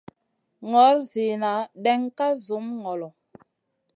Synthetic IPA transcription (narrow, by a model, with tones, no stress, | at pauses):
ŋɔ˨˦ɾzi˨na˨˦ɗɛ˦ŋka˦zu˨˦mŋɔ˨lɔ˨